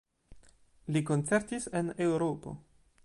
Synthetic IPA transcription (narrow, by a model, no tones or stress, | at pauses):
liko̞nt͡se̞ɾtise̞ne̞wɾopo̞̰